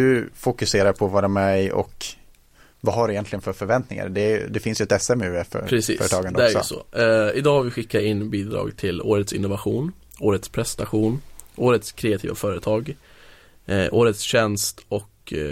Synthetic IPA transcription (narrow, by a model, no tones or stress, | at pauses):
d̪̥ɵfʊkɵseːɾaɾpʰɔvaɾɛmɛɪʔɔ̰k | vaɦaɖɵɪjɛnt̪lɪɡənfœɾfœɾvɛnt̪nɪŋa̰ɾd̪ɛæj̰d̪ɛfɪnsjəɛt̪ɛsːɛmʉːɛfœ̰ɾpɾɛsḭːœːɾət̪ʰɑːɡand̪ɛæɾjsɔsɔ̰ɪd̪ɑːɾvɪɧɪkːaɪnːbiːd̪ɾɑ̰ːɡt̪ʰɪlo̰ːɾət̪sɪnːʊvaɧuːnoːɾət̪spʰɾɛst̪aɧuːnʔoːɾət̪skʰɾɛːat̪ʰiːva̰fœːɾət̪ʰɑːɡ | ʔoːɾət̪sɕɛnst̪ɔk